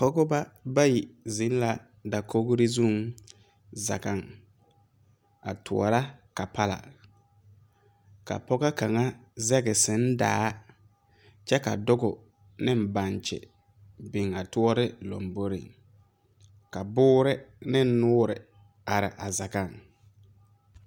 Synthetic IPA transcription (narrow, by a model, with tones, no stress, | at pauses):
pɔ˦ɡʊ˦ba˦ba˦ji˨zɪ˨˦n˦la˨ | da˨kʰo˦ɡʊ˦ɾɪ˦zu˦ŋ | za̰˨ɡa˦ŋ | a̰˨tʰʊ̰˨ɔ̰˨ɾa˦ka˨pa˦la̰˨ | ka̰˨pɔ˦ɡa˦ka˨ŋa˦zɛ˦ɡɪ˨sɪ˨˦n˦da̰ː˨˦ | t͡ʃɛ˦ka̰˨dʊ˦ɡʊ˨ | nɪ˦m˦˨ba˨nt͡ʃɪ̰˨ | bɪ˨ŋa˨tʊ˦ɔ˦ɾɪ˦lo̰˨mbo˦ɾḭ˨ | ka˨bʊː˦ɾɪ˦nɪ˦nʊː˦ɾɪ̰˨ | a˨ɾɪ˨ʔa˨za˨ɡa˨ŋ